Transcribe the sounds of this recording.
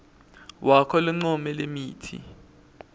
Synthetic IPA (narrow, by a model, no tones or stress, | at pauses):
wʔakʰɔluŋ͡ǀumɛlemiːtʰḭ